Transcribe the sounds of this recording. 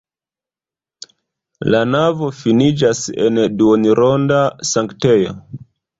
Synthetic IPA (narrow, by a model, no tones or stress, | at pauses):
lanavo̞finid͡ʒasḛnduoniɾʔondasaŋktejo